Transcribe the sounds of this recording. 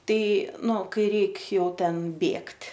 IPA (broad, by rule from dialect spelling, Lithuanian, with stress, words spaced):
ˈtɐɪ ˈnʊ ˈkɐɪ ˈrʲɛɪk ˈjɛʊ ˈtʲɛn ˈbʲeːktʲ